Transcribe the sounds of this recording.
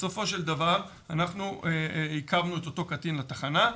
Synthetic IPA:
so̞fo̞ʃeld̪avaʁ | anaχnueikavnuet̪o̞t̪o̞kat̪inlat̪aχana

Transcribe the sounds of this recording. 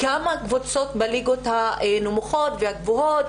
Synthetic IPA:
ɡamakvot͡so̞t̪baliɡot̪haenomuχo̞t̪vehaɡvoɦot̪

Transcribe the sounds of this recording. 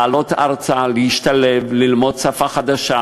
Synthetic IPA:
alot̪aʁt͡saleiʃtalevlilmo̞d̪̚safaχad̪aʃa

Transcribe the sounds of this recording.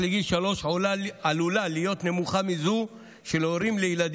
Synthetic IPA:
leɡilʃalo̞ʃʕolaalulalijo̞t̪ne̞muχamizu | ʃeloɾimlejilad̪

